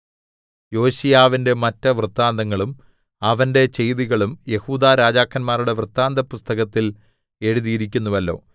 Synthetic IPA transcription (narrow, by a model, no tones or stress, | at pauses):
jo̞ːɕijaːʋinde̞mɐtːɐʋrɨt̪ːaːnd̪ɐŋːɐɭum | ɐʋɐnde̞t͡ɕe̞jðiɣɐɭumje̞huːd̪aːɾaːd͡ʑaːkʰːɐnmaːɾuɽe̞ʋrɨt̪ːaːnd̪ɐpːust̪ɐɣɐt̪ːil | e̞ɻuðijiɾik̬ʲːunːuʋɐlːo̞̰ː